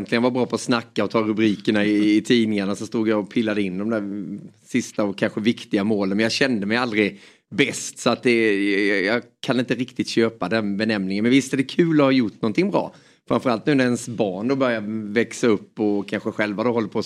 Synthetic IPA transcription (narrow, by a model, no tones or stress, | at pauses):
nt̪lɪɡənvaɾbɾɑːpʰɔːsnakːaɔt̪ʰɑːɾɵbɾiːkəɳaɪːt̪ʰiːnɪŋaɳasɔst̪uːɡjaɔpʰɪlːad̪əɪnːd̪ɔmd̪æɾsɪst̪aɔkʰːanɧəvɪkt̪ɪɡamoːlənmɛnjɑɡɕɛnd̪əmɛjald̪ɾɪ | bɛst̪sɔat̪̚d̪ɛjjɑːkʰanɪnt̪əɾɪkt̪ɪt̪ɕøːpad̪ɛnbɛnɛmnɪŋənmɛnvɪst̪əd̪ɛːkʰʉ̟ːlɔhɑjʊʈːnɔnt̪ɪŋbɾɑ̰ː | fɾamfœɾalt̪nʉ̟ːnæɾɛnsbɑːɳd̪ɔbœɾjavɛksaɵpːɔkʰanɧəɧɛlvad̪ohɔlːəɾpʰɔ